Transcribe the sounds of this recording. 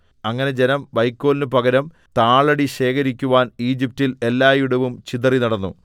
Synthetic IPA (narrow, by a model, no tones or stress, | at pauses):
ɐŋːɐne̞d͡ʑe̞nɐmʋɐjkːo̞ːlinɨpɐɡɐɾɐm | t̪aːɭɐɽiɕe̞ːkʰɐɾikʲːuʋaːniːd͡ʑip̚tile̞lːaːjuɽɐʋumt͡ɕiðɐrinɐɽɐnːṵ